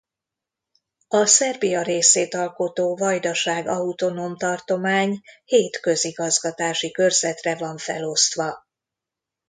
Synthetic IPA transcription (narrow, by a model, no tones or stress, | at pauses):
ɒsɛrbijɒɾeːseːt̪ɒlko̞t̪oːvɒjd̪ɒʃaːɡɒut̪o̞no̞mt̪ɒrt̪o̞maːɲheːt̪kø̞ziɡɒzɡɒt̪aːʃikø̞rzɛt̪rɛvɒɱfɛ̰lo̞st̪ʋɒ